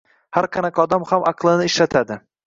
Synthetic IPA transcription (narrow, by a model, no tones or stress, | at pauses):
haɾqʰɑnakʰʲɒd̪amhamʔɑqʰlˠɪnɪːʃlat̪ʰad̪ɪ